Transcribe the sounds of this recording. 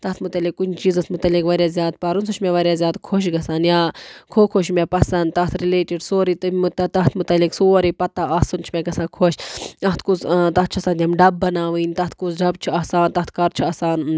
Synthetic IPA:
t̪ɐt̪ʰmut̪ɐlikːunt͡ʃiːzɐst̪mut̪ɐlikʋɐɾjaːzjaːd̪̚pɐɾunsuʃmʲeʋɐɾjaːzʲjaːd̪kʰoʃ̬ɡɐsaːnjaːkʰoːkʰoʃmepɐsɐnd̪̚t̪ɐt̪ʰɾileːʈiɖsoːɾit̪ɨt̪t̪ɐt̪ʰmut̪ɐliksoːɾipɐt̪ːaʔaːsunt͡ʃʰmʲeɡɐsaːkʰoʃɐt̪ʰkuzt̪ɐt̪̚t͡ʃʰɐsaːnt̪ʲjɐmɖɐbːɐnaːʋɨnʲt̪ɐt̪ʰkuzɖɐb̚t͡ʃʰiɐːsaːnt̪ɐt̪ʰkɐɾt͡ʃʰiɐsaːn

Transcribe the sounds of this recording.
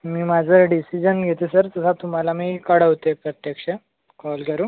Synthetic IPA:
miːmad͡zʱəɖisid͡ʑənɡʱet̪esəɾt̪əsʰat̪um̤alamiːkəɽəʋt̪epɾət̪jəkʂə | kɔlkəɾuː

